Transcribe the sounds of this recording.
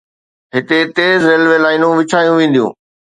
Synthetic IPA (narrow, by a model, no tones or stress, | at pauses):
ɦɪt̪et̪eːzɾeːlʋeːlaːɪnũʋɪt͡ɕʰaːjũʋẽːn̆d̪ijṵ̃ː